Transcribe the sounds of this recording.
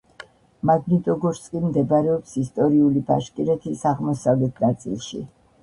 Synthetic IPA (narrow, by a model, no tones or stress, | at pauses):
maɡnit̪ʼɔɡɔɾsʼkʼimd̪ɛbɾɛɔpsist̪ʼɔɾiulibaʃkʼiɾɛt̪ʰisaʁmɔsavlɛt̪ʰnat̪sʼḭlˠʃḭ